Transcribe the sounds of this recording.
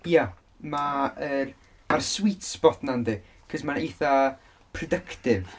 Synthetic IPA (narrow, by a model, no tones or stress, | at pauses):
ja | maər | marswitsb̥ɔθnandi | kʰəsmaneθa | pʰrɔdəkʰtɪv